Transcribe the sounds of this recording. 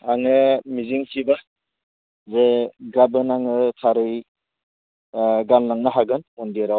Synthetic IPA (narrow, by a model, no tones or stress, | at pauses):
aŋɯmiziŋkʰiba | zeɡabɯnaŋɯtʰaɾɯj | ɡalnaŋnɯɦaɡɯnundiɾaw